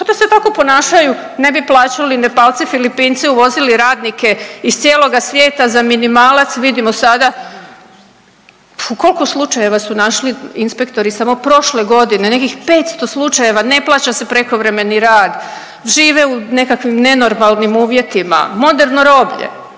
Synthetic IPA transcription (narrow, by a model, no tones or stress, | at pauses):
kat̪oset̪ako̞po̞naːʃaju | ne̞biplˠaːt͡ɕalinepalt̪sifilipiːnt̪siuʋo̞ziliɾaːd̪nike̞ist̪sjeːlˠo̞ɡasʋje̞ːt̪azaminimaːlat̪sʋid̪imo̞sad̪a | uko̞lkuslˠut͡ʃaje̞ʋasunaʃliinspe̞kt̪o̞ɾisamo̞pɾo̞ʃle̞ɡo̞d̪ine̞ne̞kixpe̞ːt̪st̪o̞slˠut͡ʃaje̞ʋane̞plˠaːt͡ɕase̞pɾe̞ko̞ʋɾe̞me̞niɾaːd̪ | ʒiːʋeune̞kakʋimne̞no̞ɾmalˠnimuːʋje̞t̪ima̰mo̞d̪e̞ɾno̞ɾo̞bʎḛ